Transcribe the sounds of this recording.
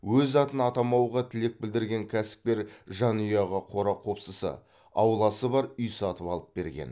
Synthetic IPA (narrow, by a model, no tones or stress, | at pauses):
wɵzɑt̪ənɑt̪ɑmɑwʁɑt̪ʰɪle̞k̚bɪld̪ɪɾɡʲe̞ŋkʲʰæsɪ̥p̚kʲe̞ɾʒɑnujɑʁɑqʰo̞ɾɑqʰo̞psəsə̰ | ɑwlˠɑsəbɑɾʏjsɑt̪əpɑlˠəp̚be̞ɾɡʲe̞̰n